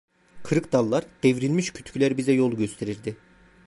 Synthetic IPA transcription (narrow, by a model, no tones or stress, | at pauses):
kʰɯɾɯkd̪alˠːaɾd̪̥evɾilʲmiʃcʰy̥t̪ʰcʰylʲæɾbizɛjo̞lˠɟøst̪ʰeɾiɾd̪ɪ